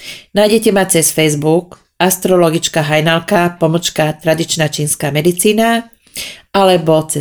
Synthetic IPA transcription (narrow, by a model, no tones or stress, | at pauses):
najɟɛcɛmat͡sɛsfɛjzbuk | ast̪ɾɔlɔɡit͡ʃkaɦajnalkapɔmɔt͡ʃkat̪ɾad̪it͡ʃnat͡ʃiːnskaːmɛd̪it͡siːna | alɛbɔt͡sɛ